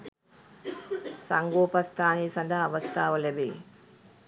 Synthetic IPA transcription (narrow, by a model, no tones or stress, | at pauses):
sɐŋɡoːpɐst̪ʰaːneːsɐnd̪ʱaːʋɐst̪ʰaːʋɐlɛbḛː